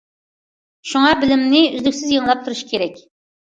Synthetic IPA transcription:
ʃuŋɑbɪlɪmnɪyzlykʲsɪzjɑŋlˠɑp̚t̪ʰuɾuʃkʲʰeɾɛkʲ

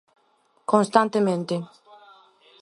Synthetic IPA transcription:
kõnst̪ant̪emẽnt̪e

